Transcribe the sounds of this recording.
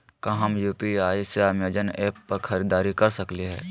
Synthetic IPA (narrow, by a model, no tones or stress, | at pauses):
kɐɦɐmjuːpiaːiseamjəd͡ʒənɛːpːɐɾxʰɐɾiːd̪aːɾikɐɾsɐkleɦɛː